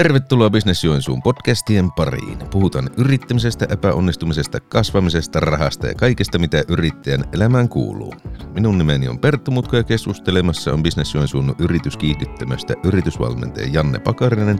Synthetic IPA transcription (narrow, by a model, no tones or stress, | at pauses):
t̪erʋet̪ːuloɑbisnesjuensṵːmpodkæst̪iempɑrḭːnpuhut̪ɑnʔyrit̪ːæmisest̪æʔepæonːist̪umisest̪ɑkɑsʋɑmisest̪ɑrɑhɑst̪ɑjɑ̰kɑikest̪ɑmit̪æʔyrit̪ːæjænʔelæmæːŋkṵːlˑṵːminunnimeniompert̪ːomut̪kojɑkeskust̪elemɑsːɑombisnesjuensuːnːuʔyrit̪yskiːhdyt̪ːæmøst̪æ̰ʔyrit̪ysʋɑ̰lmḛnt̪ḛːjjɑnːḛpɑkɑrinen